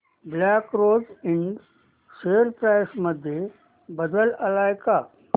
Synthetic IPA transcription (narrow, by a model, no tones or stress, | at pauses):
blaːkɾoːd͡ziɳɖ | seɾpɾajsməd̪ʱje | bəd̪ələlajka